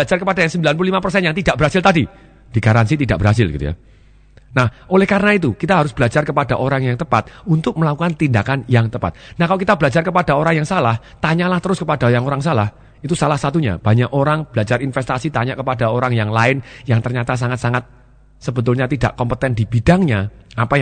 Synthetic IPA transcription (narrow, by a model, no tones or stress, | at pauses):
bəad͡ʒarkəpadajaŋsəmbilanpululimapərsɛnjaŋt̪idaʔ̚bəɾɦasɪlt̪adi | d̥iɡ̥aɾansit̪idaʔ̚bəɾɦas̬ɪlɡit̪ṵja̰ | nahʔolɛhkaɾənait̪ukit̪aɦaɾʊs̬bəlad͡ʒarkəpadaʔoɾaŋjaŋt̪əpa̰t̪̚unt̪ʊk̚məlakukant̪indakanjaŋt̪əpa̰t̪̚nahkalokit̪abəlad͡ʒarkəpad̥aoɾaŋjaŋsalah | t̪aɲalaht̪əɾʊskəpad̥ajaŋoɾaŋsalah | it̪usalahsat̪uɲa̰b̥aɲaʔoɾaŋb̥əlad͡ʒaɾinfɛst̪asit̪aɲaʔkəpadaoɾaŋjaŋlaɪnjaŋt̪ərɲat̪as̬aŋat̪saŋat̪̚ | səbət̪ʊlɲat̪ida̰ʔkɔmpət̪ɛndib̥id̥aŋɲaapa